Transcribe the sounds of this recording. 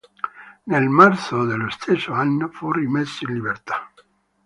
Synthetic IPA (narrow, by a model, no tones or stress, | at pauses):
nelmaɾsod̪elost̪ʰesoanːofurimesoinliβeɾt̪ḁ